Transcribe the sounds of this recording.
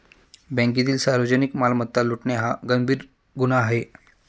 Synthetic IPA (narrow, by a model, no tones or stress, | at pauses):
bɛ̃ŋk̬it̪iːlsaɾʋəd͡ʑənikmalmət̪ːaluʈɳeɦaɡəmbʱiːɾ | ɡunaːɦe